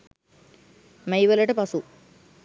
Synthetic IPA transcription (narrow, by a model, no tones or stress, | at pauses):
mejʋɐlɐʈɐpɐsu